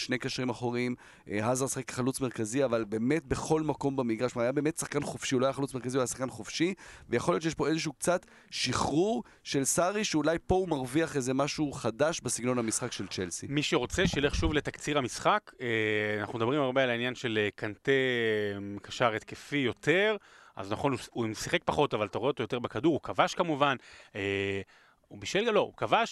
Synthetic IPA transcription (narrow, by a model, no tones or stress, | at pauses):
ʃnejkaʃʁimaχoʁim | ɦazaʁsḁχekle̥χalut͡sme̞ʁkaziavalbe̞ːme̞tbeχo̞lmako̞mbemiɡʁaʃumaːajabeːme̞t̪saχkanχofʃiuloajaχalut͡sme̞ʁkaziuajasaχkanχofʃivejaχoljot͡ʃejeʃpo̞ezeʃ̬uukt͡sat | ʃiχʁuʁ | ʃe̞lsaʁiʃeulajpo̞umaʁviaχezemaʃuχadaʃbesiɡno̞namisχakʃe̞lt͡ʃelsimiʃeʁo̞t͡seʃejle̞χʃuvlet̪akt͡siʁamisχakeanaχnumed̪abʁimaʁbealainjanʃe̞lekant̪emkaʃaʁet̪kefijo̞t̪ʰe̞ʁ | a̰znaχo̞nuumsiχe̞k̚paχo̞tavalt̪aʁeot̪ojo̞t̪e̞ʁbekaduʁukavaʃkamuvane | ubiʃvilalo̞ṵkavaʃ